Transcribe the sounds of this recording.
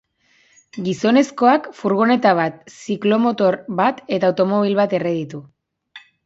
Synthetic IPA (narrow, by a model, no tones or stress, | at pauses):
ɡiso̞ne̞sko̞akfuɾɣone̞t̪aβ̞at̪siklo̞mo̞t̪o̞ɾβat̪e̞t̪aːwt̪omo̞β̞ilβat̪e̞re̞ðit̪u